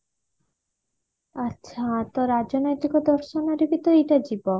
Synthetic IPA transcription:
aʃʰat̪ɔɾad͡ʒɔnojt̪ikɔd̪ɔɾʃɔnaɾibit̪oejʈad͡ʑibɔ

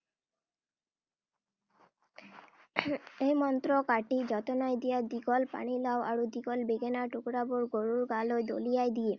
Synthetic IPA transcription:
ejmɔnt̪ɾokaʈid͡ʑɔt̪onaed̪ijad̪iɡɔlpa̰ɽ̃ilaoa̰ɾud̪ikɔlbeɡenaʈukɽaboɾɡoɾuɾɡalod̪o̰lijajd̪ije

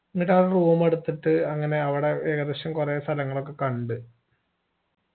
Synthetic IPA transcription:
ŋːiʈaːɭɐruːʋɐmeɽut̪ːiʈːɨɐŋːɐne̞ɐʋiɽe̞eːɣɐðeɕjɐmkurest̪ʰɐlɐŋːɐɭo̞kːe̞kɐɳɖɨ

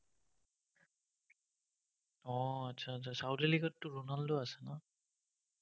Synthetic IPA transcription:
ɔatsʰaːtsʰasawteliɡɔtːʊɹunaldʊasɛna

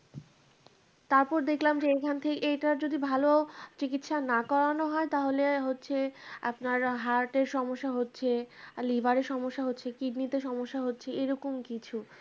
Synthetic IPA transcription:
t̪aɾpɔɾd̪ekʰlamd͡ʑeekʰant̪ʰekeejʈaɾd͡ʑod̪ibʱalot͡ɕikit̪ʃanakɔɾanoɦɔet̪aɦoleɦotːɕʰea̰pnaɾɦaɾʈeɾʃɔmoʃːaɦotːɕʰelivʱaɾeɾʃɔmoʃːaɦotːɕʰekiɖnit̪eʃɔmoʃːaɦotːɕʰeeɾɔkomkit͡ɕʰu

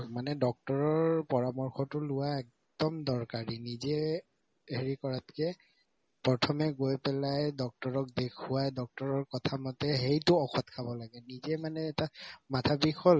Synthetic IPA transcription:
manɛdɔk̚tɔɹɔɹpɔɹamɔɹxɔtʊlʊwaɛk̚ | dɔmdɔɹkaɹinizɛ | heɹikɔɹatkɛ | pɹɔtʰɔmɛɡojpɛlajdɔk̚tɔɹɔk̚dekʰuwajdɔk̚tɔɹɔɹkɔtʰamɔtɛɦejtʊɔxɔtkʰabɔlaɡɛnizɛmanɛːtamatʰabixʰɔl

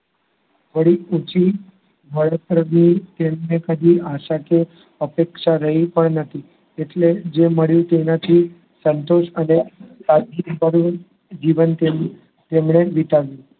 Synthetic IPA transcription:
bəɽiut͡ʃi | ʋʱəɭək̚ɾəɡnit̪emnekəd̪ʱiaʃake | əpekʃaɾəɦipəɳnət̪ʰi | eʈled͡ʒeməɭjũt̪enat̪ʰi | sənt̪oʃənesad̪ibəɾu | d͡ʒiʋənt̪em | t̪emɳeʋit̪aʋjũ

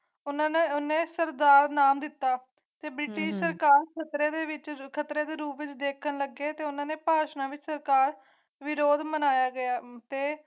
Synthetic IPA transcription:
ʊnãːneːʊnẽːsəɾd̪aːɾnaːmd̪ɪt̪ːaː | t̪eːbɾɪʈɪʃsəɾkaːɾkʰət̪ɾeːd̪eːʋɪt͡ʃkʰət̪ɾeːd̪eːɾuːpʋɪt͡ʃd̪eːkʰənləɡeːt̪eːʊnãːneːpaːʃnãːʋɪt͡ʃsəɾkaːɾ | ʋɪɾoːd̪mənaːjaːɡɪjaːt̪eː

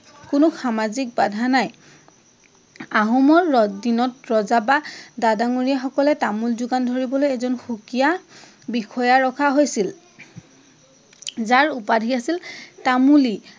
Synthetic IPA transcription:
kʊnʊxamazik̚badʱanaj | aɦɔmɔɹdinɔtɹɔzabadadaŋuɹijaxɔkɔlɛtamulzʊɡandʱoɹibɔlojɛzɔnxukija | bikʰɔjaɹɔkʰaɦojsil | zaɹupadʱiasiltamuli

